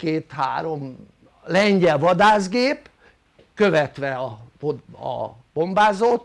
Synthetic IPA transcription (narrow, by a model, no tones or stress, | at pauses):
keːt̪ha̰ːɾo̞m | lɛɲɟɛlvɒd̪aːzɡeːp | køvɛt̪ʋɛɒ | ɒ̰b̥o̞mbaːzot̪